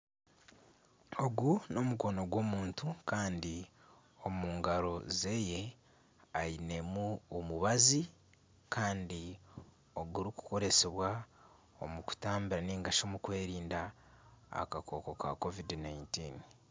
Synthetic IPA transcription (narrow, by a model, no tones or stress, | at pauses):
o̞ɡuno̞muko̞no̞ɡwo̞ːmuːntukaːndi | o̞muːŋɡaɾo̞ze̞je̞ | ajine̞muomuβazi | kaːndi | o̞ɡuɾiku̥ko̞ɾe̞se̞βwa | o̞̰muku̥taːmbiɾaneːŋɡaʃoːmukwe̞ːɾiːnda̰ː | kakʰo̞ko̞ka̰ko̞vidnaintiːn